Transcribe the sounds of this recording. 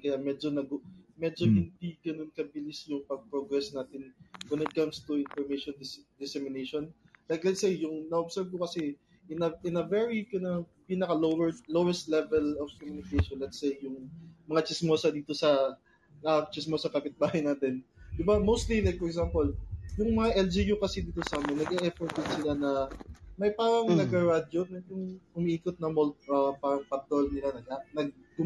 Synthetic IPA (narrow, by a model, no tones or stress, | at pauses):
kɐjamɛd͡ʒonɐɡmɛd͡ʒohɪnd̪iɡ̥ɐnonkɐbɪlɪsjʊŋpɐɡ̚pɹoɡɹɛsnaːt̪ɪnwɛnɪt̪̚kɐmst̪uɪnfɔɹmejʃɔnd̪ɪd̪ɪsɛmɪnejʃon | lajklɛt̪sejːʊŋnɐobsɛɹv̚kokɐsɛ | ʔɪnɐʔɪnɐvɛɹikɐnɐpiːnɐkɐlowɛɹlowɛst̪lɛvɛlɔfkomunɪkejʃonlɛt̪sejːʊŋmɐŋat͡ʃɪsmoːsɐd̪iːt̪o̞sɐ | ɐt͡ʃɪsmosɐkɐpɪt̪̚baːhɐjnaːt̪ɛnd̪ɪbamowst̪lilajk̚fɔɹɛkɡsampoljʊŋmɐŋaʔɛld͡ʒijukɐsɛd̪iːt̪osɐaːmɛnːɐɡʔɛʔɛfɔɹt̪̚d̪ɪnsɪlanɐmɐjpaːɾɐŋnɐɡɐɹad͡ʒonɐjʊŋʔʊmiʔiːkot̪̚nɐmolt̪̚ʔɐpaːɾɐŋpɐt̪ɾolnɪlanɐɡanɐɡ̚ɡʊ